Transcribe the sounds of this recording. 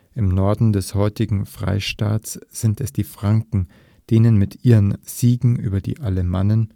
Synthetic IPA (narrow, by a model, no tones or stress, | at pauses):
ʔɪmnɔɐdn̩dɛshɔʏtɪɡŋ̩fʁ̥a̰ɪʃtaːsz̥ɪntɛsd̥iːfʁ̥aŋkŋ̩ | d̥eːnənmɪtʰʔiːʁənz̥iːɡŋ̩ʔyːbɐdḭːʔaləmanən